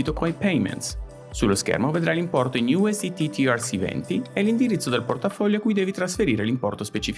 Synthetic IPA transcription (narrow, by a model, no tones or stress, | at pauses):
it̪okoajpɛjmɛ̰nt̪s | sulːoskɛ̰rmoved̪ɾalimpɔrt̪oinjuɛsit̪it̪ʰiarsivɛ̰nt̪ielind̪iɾit̪sːod̪elport̪afɔʎːoakːujd̪ɛːvit̪ɾasfeɾiːɾelimpɔrt̪ospet͡ʃif